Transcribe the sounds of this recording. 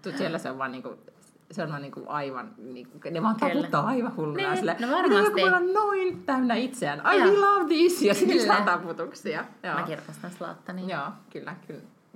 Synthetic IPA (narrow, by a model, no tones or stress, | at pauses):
t̪usielːæseo̰ʋʋɑːniːŋkṵ | seonɑːniːŋkṵʔɑiʋɑ̰nniːkuneʋɑːnt̪ɑkuːɑːɑiʋɑhulːuɑsilːænʋɑieŋkækumeɑnnoint̪ænæit̪seænʔɑiilɑːʋtiːsiɑsit̪isɑt̪ɑput̪uksiɑjoːkirkɑst̪ɑnslɑ̰t̪ːɑnijɑːkylːækyl